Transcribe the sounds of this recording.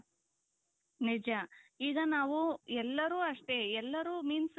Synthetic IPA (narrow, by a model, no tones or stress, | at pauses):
nid͡ʒɐiːɡɐnaːʋuɛlːɐɾuːɐʂʈe̞ɛlːɐɾuːmiːns